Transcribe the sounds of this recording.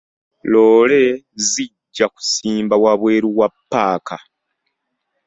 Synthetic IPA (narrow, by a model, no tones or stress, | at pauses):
loːle̞ziɟːaku̥siːmbawaβwe̞ːɾuwapːaːka